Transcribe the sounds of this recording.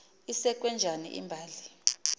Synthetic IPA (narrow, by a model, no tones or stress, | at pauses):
isɛk̬ʼwɛnd͡ʒʱanḭʔḭmbʱaːli